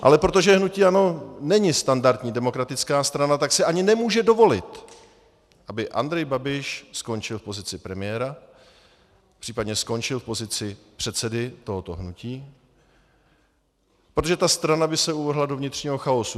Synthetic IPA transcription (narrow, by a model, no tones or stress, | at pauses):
ʔa̰lɛpɾo̞t̪̬o̞ʒɛɦnuciːano̞nɛɲɪst̪andaɾt̪ɲiːdɛmo̞kɾat̪ɪt͡skaːst̪ɾanat̪aksɪʔaɲɪnɛmuːʒɛdo̞vo̞lɪ̰t̪ | ʔabɪʔa̰nd̪ɾɛjbabɪʃsko̞nt͡ʃɪlfpo̞zɪt͡sɪpɾɛmɪjɛːɾa | pr̥iːpadɲɛsko̞nt͡ʃɪlfpo̞zɪt͡sɪpr̥ɛt̪sɛdɪt̪o̞ɦot̪o̞̰ɦnuciː | pɾot̪oʒɛt̪ast̪ɾanabɪsɛuvɛɦlado̞vɲɪt̪r̥ɲiːɦo̞xaosu